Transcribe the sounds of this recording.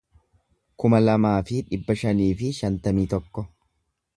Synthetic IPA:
kʊmɐlɐmaːfɪᶑɪbːɐʃɐniːfɪʃɐnt̪ɐmiːt̪ɔkːɔ

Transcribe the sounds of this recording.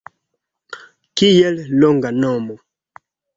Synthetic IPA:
kijɛllɔŋɡanɔmɔ

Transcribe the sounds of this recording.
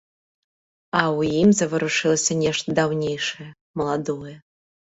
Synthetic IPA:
awuimzɐvɐɾuʂɨlˠsʲɐnʲeʂt̪d̪awnʲejʂɨjɛ | məlˠad̪ojɛ

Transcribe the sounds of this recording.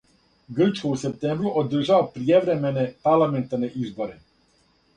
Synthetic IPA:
ɡr̩t͡ʃkouse̞p̚t̪eːmbɾuʔod̪r̩ʒaʋopɾijeʋɾe̞mene̞paɾlˠament̪aɾne̞ʔizbo̞ɾe̞

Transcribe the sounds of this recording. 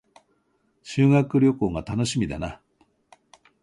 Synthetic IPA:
ɕɨːŋakɯ̟ɾʲo̞ko̞ːɡat̪ano̞ɕimʲid̪a̰na

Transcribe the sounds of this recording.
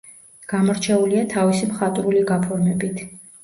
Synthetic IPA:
ɡ̥amɔɾt͡ʃʰɛuliat̪ʰavisimχat̪ʼɾuliɡapʰɔɾmɛbit̪ʰ

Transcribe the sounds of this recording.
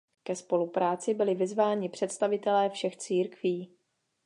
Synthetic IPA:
kɛspo̞lupɾaːt͡sɪbɪlɪvɪzvaːɲɪpr̝̥ɛt̪st̪avɪt̪ɛlɛːfʃɛxt͡siːɾkviː

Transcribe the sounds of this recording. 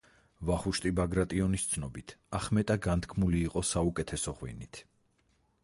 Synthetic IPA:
vaχuʃt̪ʼibaɡɾat̪ʼiɔnist̪sʰnɔbit̪ʰaχmɛt̪ʼaɡant̪ʰkʰmuliːqʼɔsaukʼɛt̪ʰɛsɔʁwḭnit̪ʰ

